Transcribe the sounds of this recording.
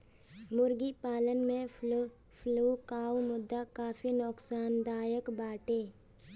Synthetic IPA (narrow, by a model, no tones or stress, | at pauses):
mʊɾɡipaːlənmẽ | fʰluːkaːwmʊd̪ːakaːfinɔːksaːnd̪aːjəkbaːʈeː